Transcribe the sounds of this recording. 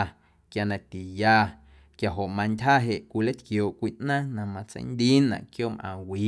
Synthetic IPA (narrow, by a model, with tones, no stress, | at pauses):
kja˧nã˧t̪i˨jaː˧ | kja˨ɦo˨ʔmã˧ntʲɦaː˦ɦe˨ʔkʷi˧˨le˦t̪kjoː˨ʔkʷiː˧˦ʔnãː˦nã˧˨mã˧t͡sḛ˧˦jnd̪iː˦nã̰˨ʔkjoː˦mʔã̰ː˨wiː˨˦